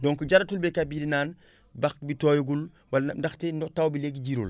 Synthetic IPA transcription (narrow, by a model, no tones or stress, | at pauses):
dɔːŋkuɟaɾatulbekabidinaːn | baxbitoːjuɡul | walndaxtendɔtawbileɡiɟiɾṵl